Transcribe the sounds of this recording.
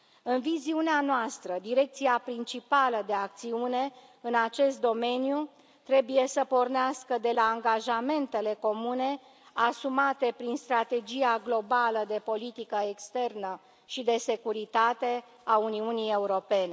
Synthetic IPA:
ɨnviziuneanoast̪ɾəd̪iɾe̞k̚t̪siapɾint͡ʃipaləd̪e̞ak̚t̪siune̞ | ɨnat͡ʃe̞st̪̚d̪o̞me̞niju | t̪ɾe̞buje̞səpo̞rneaskəd̪e̞laːŋɡaʒame̞nt̪e̞le̞ko̞mune̞ | asumat̪e̞pɾinst̪ɾat̪e̞d͡ʒijaɡlo̞baləd̪e̞po̞lit̪ikəe̞kst̪e̞rnə | ʃid̪e̞se̞kuɾit̪at̪e̞ | auniunije̞uɾo̞pe̞ne̞

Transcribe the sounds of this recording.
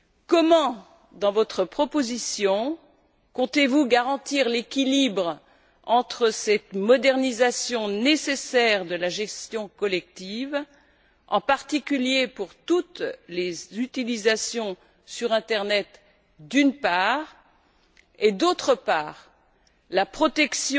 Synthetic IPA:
kɔmɑ̃ | d̪ɑ̃vɔt̪χəpχɔpozisjɔ̃ | kɔ̃t̪evuɡaʁɑ̃t̪iʁlekʲilibʁ | ɑ̃t̪χəsɛt̪mɔd̪ɛʁnizasjɔ̃nesesɛʁd̪əlaʒɛst̪jɔ̃kɔlɛk̚t̪iv | ɑ̰̃paʁt̪ikʲyljepuʁt̪ut̪lezyt̪ilizasjɔ̃ | syʁɛ̃t̪ɛʁnɛt̪ | d̪ynpaːʁ | ed̪ot̪χəpaːʁ | lapχɔt̪ɛksj

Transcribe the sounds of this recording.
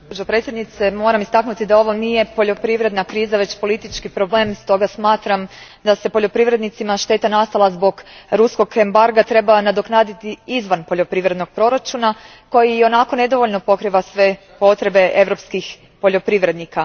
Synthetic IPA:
pod͡ʒopɾe̞t̪sʲjed̪nit̪se̞mo̞ːɾamist̪aknut̪id̪ao̞ʋo̞nije̞po̞ʎo̞pɾiʋɾe̞d̪nakɾiːzaʋe̞t͡ɕpo̞lit̪it͡ʃkipɾo̞ble̞ːmst̪o̞ɡasmaːt̪ɾam | d̪ase̞po̞ʎo̞pɾiʋɾed̪nit̪simaʃt̪e̞ːt̪anast̪alˠazbo̞ɡɾusko̞ɡe̞mbaɾɡat̪ɾe̞banad̪o̞knaːd̪it̪iizʋanpo̞ʎo̞pɾiʋɾe̞d̪no̞ɡ̥̚pɾo̞ɾat͡ʃuna | ko̞jijo̞nako̞ne̞d̪o̞ʋo̞ʎno̞po̞kɾiʋasʋe̞ | po̞t̪ɾe̞be̞ʔe̞ʋɾo̞pskix | po̞ʎo̞pɾiʋɾe̞d̪nika

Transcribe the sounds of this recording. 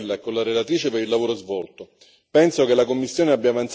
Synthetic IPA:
lːaɛkːonlaɾelat̪ɾiːt͡ʃepeɾilːavoːɾozvɔlt̪o | pɛnsokelːakomːisːjoːneabjaːvant̪s

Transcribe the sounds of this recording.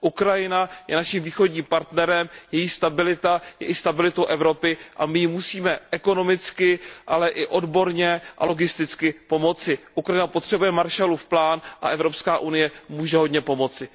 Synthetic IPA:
ʔukɾajɪnajɛ̰naʃiːmviːxo̞dɟɲiːmpaɾt̪nɛɾɛmjɛjiːst̪abɪlɪt̪ajɛ̰ʔɪst̪abɪlɪt̪o̞wʔɛvɾo̞pɪʔa̰mɪjmusiːmɛʔɛko̞no̞mɪt͡skɪʔalɛʔɪʔo̞dbo̞ɾɲɛʔa̰lo̞ɡɪst̪ɪt͡skɪpo̞mo̞t͡sɪʔukɾajɪnapot̪r̝̥ɛbujɛmaɾʃalufplaːnʔa̰ʔɛvɾo̞pskaːʔunɪjɛmuːʒɛɦo̞dɲɛpo̞mo̞t͡sɪ

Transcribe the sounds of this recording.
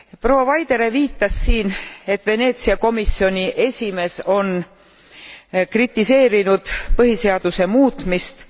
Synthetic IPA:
pro̞wːɑvɑjd̪̥e̞ɾe̞viːt̪ːˑɑsːiːne̞t̪ːˑve̞ne̞ːt̪siɑko̞misːio̞nʲiʔe̞sʲime̞so̞n | krit̪ːˑise̞ːɾinud̪̥pɤɦise̞ɑd̪̥use̞muːt̪ˑmist̪

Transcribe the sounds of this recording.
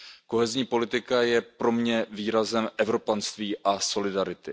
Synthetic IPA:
ko̞ɦɛzɲiːpo̞lɪt̪ɪkajɛpɾo̞mɲɛviːɾazɛmʔɛvɾo̞panst̪viːʔaso̞lɪdaɾɪt̪ɪ

